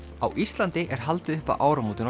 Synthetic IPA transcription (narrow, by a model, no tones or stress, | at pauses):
awʔist̪lant̪ɪʔɛɾ̥ɦalt̪ɪðʏhpa̰ʔaːwɾamuːt̪ɪn